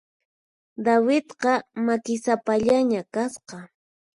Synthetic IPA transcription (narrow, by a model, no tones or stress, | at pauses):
d̪awɪt̪qɑmakɪsapaʎaɲakasqɑ